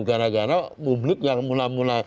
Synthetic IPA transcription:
ɡanaɡanaɓumnip̚ɲakmunamuna

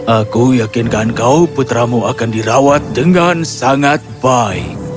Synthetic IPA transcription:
ʔakujakɪnkankauput̪ɾamuakandiɾawat̪̚dəŋansaŋat̪̚baɪk̚

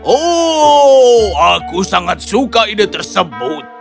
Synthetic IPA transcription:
ʔo | akusaŋat̪̚sukaidət̪ərsəbʊt̪̚

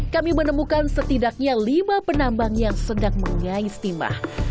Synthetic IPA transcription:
kamimənəmukansət̪idak̚ɲalimapənambaŋjaŋsədaŋməŋaist̪ima̰h

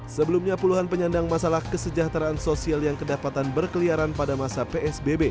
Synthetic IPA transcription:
səbəlumɲapuluɦanpəɲandaŋmasalahkəsəd͡ʒaht̪ɾaːnsosialjaŋkədapat̪anbərkəliaɾanpadamasapeɛsbebe

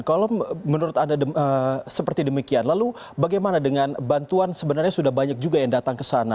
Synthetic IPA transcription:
kalomənuɾʊt̪andadəəsəpərt̪idəmikianlalu | baɡajmanadəŋanbant̪uansəbənarɲasudahbaɲak̚d͡ʒuɡajaŋdat̪aŋkəsana

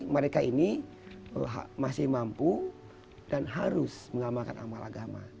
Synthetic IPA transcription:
məɾekaini | əɦamasɪhmampu | danɦaɾʊsməŋamakana̰malʔaɡama̰

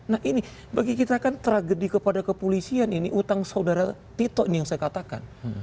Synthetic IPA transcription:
nahʔini | baɡikit̪akant̪əɾaɡədikəpadakəpolisianiniʔut̪aŋsaudaɾat̪it̪ɔʔinijaŋsajakat̪aka̰n

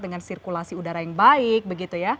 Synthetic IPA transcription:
dəŋansirkulasiudaɾajaŋbaɪk̚bəɡit̪uja

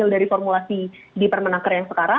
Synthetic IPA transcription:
ɪldaɾifɔrmulasi | dipərmənakərjaŋsəkaɾa

